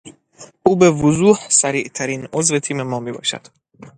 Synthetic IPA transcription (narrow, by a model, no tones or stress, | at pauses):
ʔuːbe̞vozuːhsæɾiːʔt̪ʰæɾiːno̞zve̞t̪ʰiːme̞mɒːmiːbɒ̰ːʃæ̰d̪̥